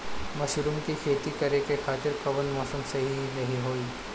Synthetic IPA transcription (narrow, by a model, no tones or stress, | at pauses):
mɐʃɾumkikʰeːt̪ikɐɾekekʰaːt̪ɪɾkɐʋənmɔːsəmsɐɦinɐɦiɦoːi